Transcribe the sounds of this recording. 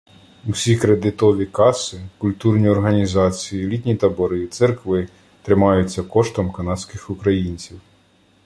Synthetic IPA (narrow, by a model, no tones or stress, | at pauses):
usʲikɾed̪ɪt̪ɔʋʲikɑsɪkʊlʲt̪urnʲiɔrɦɐnʲizɑt͡sʲijilʲit̪ʲnʲit̪ɐbɔɾɪt̪sɛrkʋɪ | t̪ɾɪmɑjʊt͡sʲːɐkɔʃt̪ɔmkɐnɑsʲkɪxʊkɾɐjinʲt͡sʲiw